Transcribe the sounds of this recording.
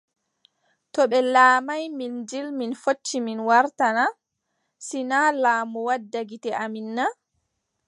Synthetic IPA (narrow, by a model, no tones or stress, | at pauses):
tɔɓɛlaːmajmind͡ʒilminfot͡ʃːiminwaɾtana | sinalaːmuwadːaɡitɛʔaminːa